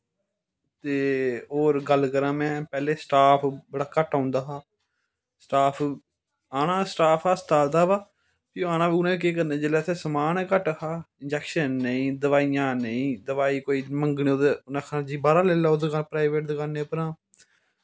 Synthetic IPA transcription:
t̪eːoːɾɡəlkəɾãːmɛ̃ːpɛːleːsʈaːpʰbəɽaːkəʈãːnd̪aːɦaː | sʈaːpʰ | aːnãːsʈaːpʰaːst̪aːld̪aːbaː | pɪjoaːnãːʋiʊnẽːk̬eːk̬əɾnẽːd͡ʒeːlɛːsʰeːsəmaːnkəʈɦaːɪnd͡ʒɛːkʃənːəĩːd̪əʋaːijãːnəĩːd̪əʋaːiːkoːiːməŋɡnĩoːd̪enãːkʰnãːd͡ʒiːbaːɾaːleːlaːod̪ekapɾaːiʋeːʈ̚d̪kaneːpəɾãː

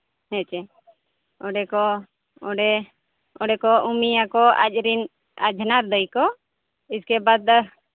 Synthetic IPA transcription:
hɛ̃t͡ʃɛ | ɔɖɛkɔ | ɔɖɛ | ɔɖɛkɔumiakɔa̰t͡ʃɾin | a̰d͡ʒʱnaɾd̪əjkɔ | iskɛbad̪

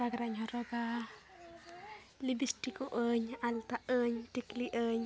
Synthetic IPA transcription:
aɡɾaɲɦɔɾɔɡa | libistikuʔəɲalt̪aʔəɲtikliʔəɲ

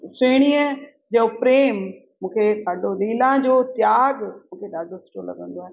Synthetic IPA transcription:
seːɽ̃iːə | d͡ʑɐopɾeːm | mũːkʰeɗaːɖʱolĩːlãd͡ʑoːt̪jaːɡmũːkʰeɗaːɖʱosʈolɐ̰ɠə̃nd̪oaː

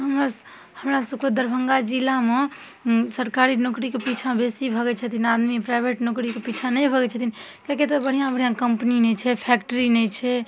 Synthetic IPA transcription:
ɦəmɾas | həmɾasəbked̪əɾbʱəŋɡad͡ʒilame | səɾkaɾinokɾikepit͡ʃʰabesibʱəɡɛt͡ʃʰət̪ʰinad̪mipɾaɪbʱeʈnokɾikepit͡ʃʰanəjbʱəɡɛt͡ʃʰət̪ʰin | kaket̪ɔbəɽ̤ijãbəɽijãkəmpninɛt͡ʃʰɛpʰɛkʈəɾinɛt͡ʃʰɛ

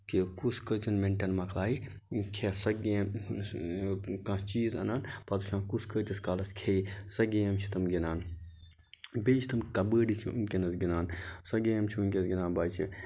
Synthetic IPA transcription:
kikuskət͡ʃinmeɳʈɐnmɐkʰlaːi | kʰesɐɡem | kɐ̃t͡ʃiːzɐ̰naːnpɐt̪uʃʰãːnkuskət̪iskaːlɐskʰeisɐɡeːɐmt͡ʃʰi̥t̪ɐmɡʲinaːn | beːt͡ʃʰit̪ʰɐmkɐbəːɖit͡ʃʰiṵnkʲenɐsɡinaːnsɐɡeːɐmt͡ʃʰiunʲkʲesɡʲinaːnbaːjt͡ʃʰi

